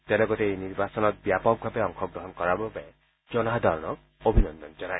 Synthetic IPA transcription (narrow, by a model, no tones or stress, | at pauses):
t̪elɔkɔt̪eejniɾbasɔnɔt̪̚bjapɔk̚bʱabeɔŋkʰɔkɹɔɦɔnkɔɹababae | d͡ʒɔnad̪ʱɔɾnɔk̚ | obʱinɔnd̪ɔnd͡ʒɔna